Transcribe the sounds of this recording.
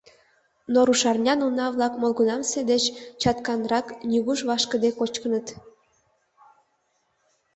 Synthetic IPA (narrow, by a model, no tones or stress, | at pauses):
noɾuʃɑrnʲɑnunɑβlɑkmolɣunɑmsed̪et͡ɕt͡ɕɑt̪kɑnrɑknʲyɣuʃβɑʃkə̆d̪ekot͡ɕkənət̪